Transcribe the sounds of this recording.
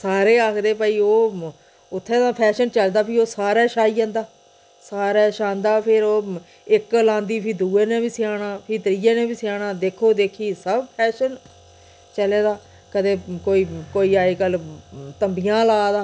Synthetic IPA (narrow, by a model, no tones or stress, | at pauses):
saːɾeːaːkʰd̪eːpəiːoː | ʊt̪ʰːẽːt̪ãːpʰɛːʃənt͡ʃəld̪aːpʰiːoːsaːɾɛːʃaːiːd͡ʒãːnd̪aː | saːɾɛːʃãːnd̪aːpʰɪɾoː | ɪklãːnd̪iːpʰiːd̪uːeːnẽːbiːsɪjaːɽãːpʰiːt̪ɾiːeːnẽːbiːsɪjaːɽãːd̪eːkʰoːd̪eːkʰiːsəbpʰɛːʃən | t͡ʃəleːd̪aː | kəd̪eːkoːiːkoːiːaːiːkəlt̪əmbijãːlaːd̪aː